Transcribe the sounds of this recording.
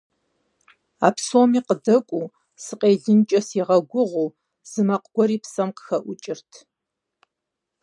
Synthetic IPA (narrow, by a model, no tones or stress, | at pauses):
a̰ːpsoːmiːqədɐkʷʼuː | sɨqeːɮɨnt͡ʃʼɐsiʁɐɡʷʊʁʷuː | z̥ɨmɐqɡ̥ʷɔɾiːpsɐmqə̥xɐʔʷʊt͡ʃʼɪrtʰ